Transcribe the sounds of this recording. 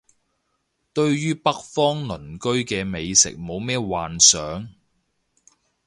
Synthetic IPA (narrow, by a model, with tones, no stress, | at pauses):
t̪ɵ˧ɥjyː˥pɐ˥k̚fɔː˥ŋlɵ˨˩nkɵ˥ɥkɛː˧me˨jsɪ̰˨k̚mo˨˧wmɛː˥waː˨nsœː˨˥ŋ